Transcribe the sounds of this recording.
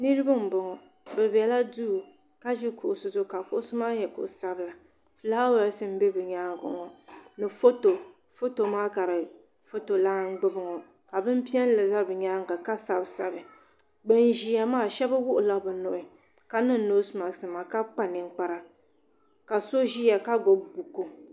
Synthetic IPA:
nɨ˦ɾɨ˦ba˦m̩˨bʊ˨ŋɔ˨ | bɛ˨bɛ˨la˦du˦˨ | ka˦ʒi˦kʊ˨ʔsʊ˨zʊ˦ka˨kʊ˦ʔʊ˦sʊ˦maː˦jɛ˨kʊ̰˨ʔsa˦bɨ˦la˨ | fɨ˨la˦wɛ˨˦sɨ˦m̩˦bɛ˦bɨ˨ɲaː˦ŋ˦ɡʊ̰˨ŋɔ˨nɨ˨fo˦to˨ | fo˦to˨maː˦ka˨ɾɨ˨ | fo˦to˨la˦ŋ˦ɡ͡bʊ˦bɨ˨ŋɔ˨ | ka˨bɨ˦m˦pi˦ɛ˦n˦lɨ˨za˦bɨ˨ɲaː˦ŋ˨ɡɨ˨ka˦sa˨bsa˦bɨ˨ | ɡ͡bɛ˦n˨ʒi˨ja˨maː˦˨ʃɛ˦ba˦wʊ˦ʔʊ˨la˦bɨ˨no˨ʔɪ˨ | ka˦nɨ˦n˦no˦sma˨sɨ˨ma˨ka˦k͡pa˦nɨ˨ŋ˦k͡pa˦ɾa˦ | ka˨so˦ʒi˦ja˨ka˦ɡo˨bbu˨kːo˦

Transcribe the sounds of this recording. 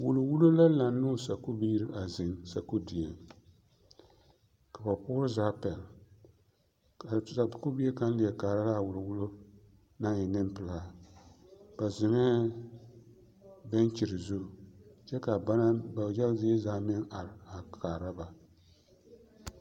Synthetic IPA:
wʊ˨lʊ˨wʊ˦lo˦la˦la˨nː˦ʊː˦˨sa˨ku˦biː˦ɾɨ˦a˨zɪ˨ŋsa˨ku˦di˨e˨ŋ | ka˨ba˨pʊː˦ɾɨ˦zaː˦pɛ˨l | ka˨a˨˦ku˦bi˦e˦ka˦n˦lɪ˨a˨kaː˨ɾa˦la˦˨wʊ˨lʊ˨wʊ˦lo˦ | na˦ɲɛ˨nɨ˦mpɨ˨laː˦ | b̥a˨zɪ˨ŋɛ˦ | bɛ˦nt͡ʃi˨ɾɪ˨zu˦˨t͡ʃɛ˦ka˨ba˦na˦ba˨jɛ˦lzɪ˦zaː˦mɪ˦ŋa˨ɾɪ˨a˨kʰaː˨ɾa˦ba˨

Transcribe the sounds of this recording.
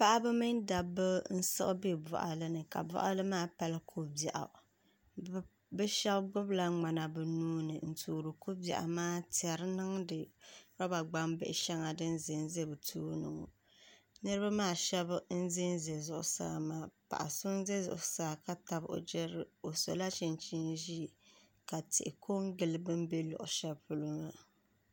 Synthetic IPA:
pa˦ʔa˦bɨ˦mɨ˦nda˨bɨ˦n̩˦sɨ̰˦ʔbe˦bɔ̰˨ʔa̰˨lɨ˦nɨ˨ka̰˨bɔ̰˦ʔa˦lɨ˦maː˦˨pa˦lɨ˦kʰo˦ba˨ʔa̰˨ | bɛ˦ʃɛ˦bɡʊ˦bla˨˦ŋ͡ma˨na˨bɨ˨nuː˦nɨ˨n̩˨tuː˨ɾɨ˨ko˦ba̰˨ʔa̰˨maː˦tɛ˨ɾɨ˦nɨ˦ŋdɨ˨ɾa˦ba˨ɡ͡ba˦mbɪ˦ʔɪ˨˦ʃɛ˦ŋa˨dɨ˦n̩˦zɪ˨n˦ze˦bɨ˨tʰuː˦nɨ̰˨ŋo̰˨ | nɨ˦ɾɨ˦ba˦maː˦˨ʃɛ˦bn̩˦zɪ˦nze˨zʊ̰˨ʔʊ̰˨sa̰ː˦˨maː˨pa̰˨ʔa̰˨sʊ˦n˦ze˦zʊ̰˨ʔʊ˦saː˦˨ka˦ta˨bʔo̰˨d͡ʒɛ˦ɾɨ˨o˨so̰˨la˦t͡ʃi˨nt͡ʃi˦nʒi˦˨ | ka˨tɪ̰˨ʔɪ˨kʰo˦ŋ˦ɡɪ˨lɨ˦bɨ˦m˦be˦lʊ̰˨ʔʊ˨ʃɛ˦bpʊ˨lʊ˦ŋa˦

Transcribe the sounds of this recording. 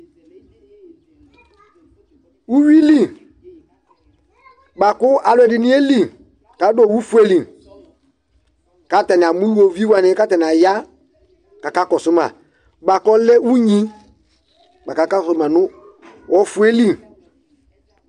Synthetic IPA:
wu˦wi˦li˦˨ | ba˨kʊ˦ʔa˨lwɛ˨dɪ˨nĩ˦e˦li˨ | ka˨˦do˨wu˦fu˦e˦li˨ | ka˨˦ta˨nɪ˨a˨mũ˦lu˦o˨vi˦wa˦nɪ̃˦ka˦ta˨nɪ˨a˨ja˦ | ka˨ka˦kɔ˨sʊ˦mã̰˨ | ba˨kɔ˦lɛ˦wu˦ɲĩ˦ | ɓa˨ka˦ka˦sɔ˨sʊ˦mã˨nʊ̃˦ | wʔɔ˦fu˦e˦li˦˨

